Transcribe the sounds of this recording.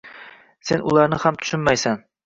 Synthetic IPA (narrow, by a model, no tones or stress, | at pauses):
senʔulˠɑɾnɪhamt̪ʰy̥ʃɪnmajsæn